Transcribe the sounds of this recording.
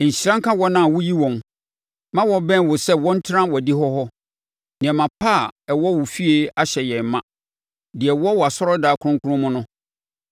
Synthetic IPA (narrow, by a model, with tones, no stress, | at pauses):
ɲ̩˨ɕɾã˦ŋ˦kʰa˦wɔ˦nã˦˨wʊ˦ji˦wɔ̃˨m | mã˦wɔ˨bɛ̃˦n˦wʊ˨sɛ˦wɔ̃˦n̩˦tʰɾã˦wɔ˨di˦ɦɔ˦ɦɔ˦ | nɪ̃˨ɛ˨mã˨pʰa˦˨ɛ˨wɔ˦wʊ˨fi˦e˦a˦ɕɛ˨jɛ̃˨m˨mːã˦ | dɪ˨ɛ˨wɔ˦wɔ˨a˨sɔ˦ɾɔ˦daː˨˦kʰʊ˦ɾʊ̃˦ŋkʰʊ˦ɾʊ̃˦mʊ̃˦nʊ̃˦